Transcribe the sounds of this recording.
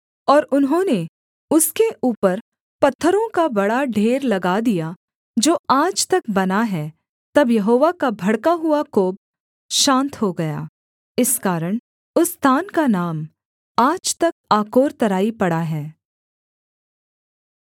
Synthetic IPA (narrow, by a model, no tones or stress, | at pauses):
ɔːɾʊnɦõne | ʊskeʔuːpəɾ | pɐt̪ʰːəɾõkabɐɽaɖʱeːɾlɐɡad̪ija | d͡ʒoːaːd͡ʒt̪ɐk̚bɐnaɦɛ | t̪ɐbjɐɦoːʋakabʱɐɽkaɦʊakoːb̚ | ʃãːnt̪ɦoɡɐja̰ː | ɪskaːɾəɽ̃ | ʊst̪ʰaːnkanaːm | aːd͡ʒt̪ɐk̚aːkoːɾt̪ɐɾaːipɐɽaɦɛː